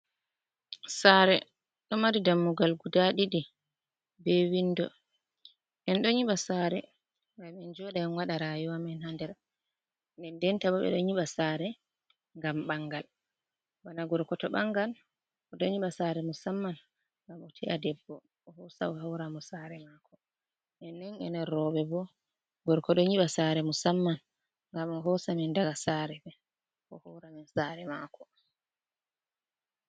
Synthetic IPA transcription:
saːɾɛ | ɗɔmaɾidamːuɡalɡudaɗiɗi | bɛwinːdɔ | ɛnɗɔɲiɓasaːɾɛ̰ | ŋɡamɛnd͡ʒɔɗaɛnwaɗaɾajuwamɛnhandɛɾ | nɛndɛntabaɓɛ̰ɗɔɲiɓasaːɾɛ | ŋɡamɓaŋɡal | wanaɡɔɾkɔtɔɓaŋɡal | ɔdɔɲiɓasaɾɛmusamːan | ŋɡamɔtʰiʔadɛbːɔ | ɔhɔsa̰ɔɦawɾamɔsaɾɛmaːkʰɔ | ʔɛnːɛnɛ̰nɛɾɔɓɛbɔ | ɡɔɾkɔɗɔɲiɓasaɾɛmusamːan | ŋɡamɔɦɔsamɛndaɡasaːɾɛbɛ | kɔ̰hɔwɾaminsaɾɛmakʰɔ

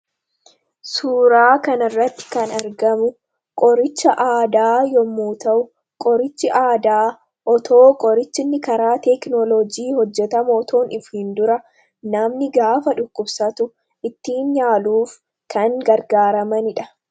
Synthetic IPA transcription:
suːɾaːkɐnɐrːɐt̪ːɪ̥kɐnɐɾɡɐmʊ | kʼɔɾɪt͡ʃːɐʔaːd̪aːjɔmːuːt̪ɐʔʊ | kʼɔɾɪt͡ʃːɪʔaːd̪aː | ʔɔt̪o̞ːkʼɔɾɪt͡ʃːɪnːɪkɐɾaːt̪ɛknɔlɔd͡ʒiːhɔd͡ʒːɛt̪ɐmoɔt̪ʰo̞ːnɪfhɪnd̪ʊɾɐ | nɐmnɪɡaːfɐᶑʊkːʊbsɐt̪ʊ | ʔɪt̪ːiːnɲaːluːf | kɐŋɡɐɾɡaːɾɐmɐnɪᶑɐ̥

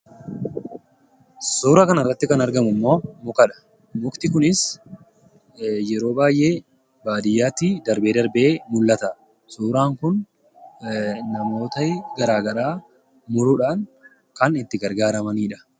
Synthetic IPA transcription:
suːɾɐkɐnɐrːɐt̪ːɪkɐnɐɾɡɐmʊmːo̞ːmʊkɐᶑɐ̥ | mʊkt̪ɪkʊnɪs | jɛɾo̞ːbaːjʔe̞ː | baːd̪ɪjːaːt̪ːid̪ɐɾbe̞ːd̪ɐɾbeːmʊlːɐt̪ɐ | suːɾaːŋkʊn | nɐmo̞ːt̪ɐɡɐɾaːɡɐɾaː | mʊɾʊᶑaːn | kɐnɪnt̪ːɪɡɐɾɡaːɾɐmɐniːᶑɐ̥

